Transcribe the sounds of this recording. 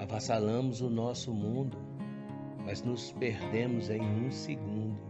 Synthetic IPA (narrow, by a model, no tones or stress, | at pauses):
avãsalɐ̃mʊzʊnɔsʊmũnd̪ʊ | mɐznʊspeɾd̪ẽmʊzẽj̃ũseɡũnd̪ʊ